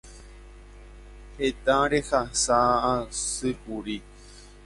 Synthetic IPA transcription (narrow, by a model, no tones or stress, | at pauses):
het̪ãɾexasaãsɨpuɾi